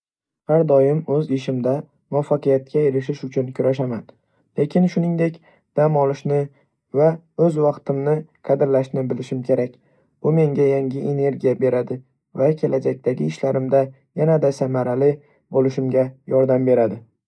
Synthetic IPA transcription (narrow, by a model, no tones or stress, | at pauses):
haɾd̪ɒjɪmɵzɪʃɪmd̪a | mʊafːɑqɨjat̪̚kʲʰaeɾɪʃɪʃʊt͡ʃʰʊnkʲʰʊɾaʃ̬aman | le̞kʲʰɪnʃʊnɪŋd̪e̞kʲ | d̪̥amɒlˠɪʃnɪ | va | ɵzwɑqt̪ʰɪmnɪqʰɑd̪ɪɾlaʃnɪbɪlɪʃɪmkʲʰe̞ɾakʲ | b̥ʊme̞ŋɡʲajaŋʲɪʔe̞ne̞ɾɡʲijabe̞ɾad̪ɪ | vakʲʰe̞lad͡ʒak̚ʲt̪ʰaɡʲɪɪʃlaɾɪmd̪a | janad̪asamaɾalɪ | bolɪʃɪmɡʲajɒɾd̪ambe̞ɾad̪ɪ